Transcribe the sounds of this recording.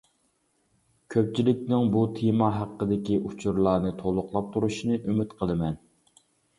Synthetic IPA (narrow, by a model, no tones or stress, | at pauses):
kʲʰøp̚t͡ʃʰilɪk̚ʲnɪŋbut̪ʰemɑɦæqːəd̪ɪkʲiʔut͡ʃʰuɾlˠɑːnɨt̪ʰolˠʊqlˠɑp̚t̪ʰuɾuʃinɨʔymyt̪qʰəlˠɨmɛn